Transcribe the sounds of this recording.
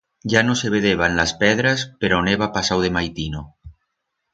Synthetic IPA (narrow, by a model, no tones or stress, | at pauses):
ʒanoseβ̞eðeβ̞anlaspɛðɾaspeɾoneβapasawðemajt̪ino